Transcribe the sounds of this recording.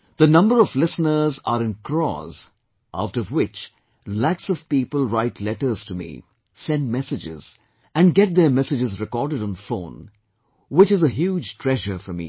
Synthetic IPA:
ð̥ənʌ̃mbəɾɔvlɪsnə˞zəɾɨ̃nkʰɹɔ̰z̥ | ʔa̰ʊtʌvwɪt͡ʃ | læksʌv̥piːpəlˠɹaɪtʰlɛʈə˞z̥tumḭ | sɛ̃ndmɛsɨd͡ʒɪ̰z̥ | ɨ̃nɡɛt̚ðə˞mɛsɨd͡ʒɨzɹɨkɔɹdɨɾn̩fõ̰ːn | wɪt͡ʃɨzəɦjuːd͡ʒtʰɹ̥ɛʒə˞fəmḭ

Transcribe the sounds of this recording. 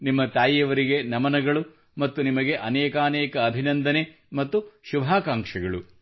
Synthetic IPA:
nimːɐt̪aːjjɐʋɐɾiɡe̞nɐmɐnɐɡɐɭu | mɐt̪ːunimɐɡe̞ʔɐnɛːkaːnɛːkɐːbʱinɐnd̪ɐne̞ | mɐt̪ːuʃubʱaːkaːŋkʂɐɡɐɭṵ

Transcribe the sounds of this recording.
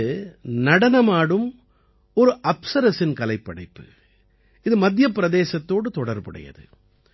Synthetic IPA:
nɐɽɐnɐmaːɽɯm | ɔɾɯʔɐpsɐɾɐsɪnkɐlɐɪpːɐɽɐɪpːɯ̥ | ɪðɯmɐd̪ɪjɐpːɪɾɐðeːsɐt̪ːoːɽɯt̪ɔɽɐɾpɐɽɐ̰jɐ̰ðɯ̰

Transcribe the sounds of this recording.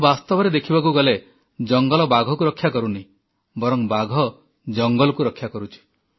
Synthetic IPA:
bast̪ɔbɔɾed̪ekʰibak̬uɡɔle | d͡ʒɔŋɡɔlɔbaɡʱɔkuɾɔkʰːjakɔɾuni | bɔɾɔŋbaɡʱɔ | d͡ʒɔŋɡɔlɔkuɾɔkʰːjakɔɾut͡ʃʰi̥

